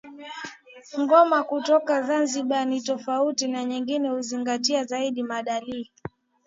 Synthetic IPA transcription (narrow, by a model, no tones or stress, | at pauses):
ŋɡɔmakutɔkazanziɓanitɔfautinaɲiŋɡinɛhuziŋɡatiazaiɗimaɗaliː